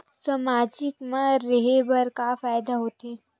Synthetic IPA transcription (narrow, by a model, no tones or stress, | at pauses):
samaːd͡ʒɪkmãɾɐɦebɐɾkafaːjd̪aɦoːt̪eː